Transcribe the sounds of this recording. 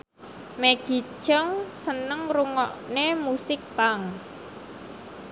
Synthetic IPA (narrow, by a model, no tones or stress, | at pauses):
meɡ̥i̤̥ʒɔŋsənəŋruŋɔʔnemusɪk̚paŋ